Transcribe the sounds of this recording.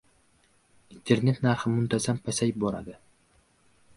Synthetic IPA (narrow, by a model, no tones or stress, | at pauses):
int̪ʰe̞ɾne̞t̪naɾχɪmʊmt̪ʰazampʰasajbɒɾa̰d̪ɪ